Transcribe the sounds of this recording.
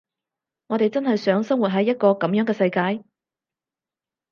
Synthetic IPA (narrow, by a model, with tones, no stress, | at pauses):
ŋɔː˨˧t̪e˨jt͡sɐ˥nhɐ˨jsœː˨˥ŋsɐ˥ŋwu˨t̚ɦɐ˨˥jːɐ˥t̚kɔː˧kɐ˨˥mjœː˨˥ŋkɛː˧sɐ˧jkaː˧j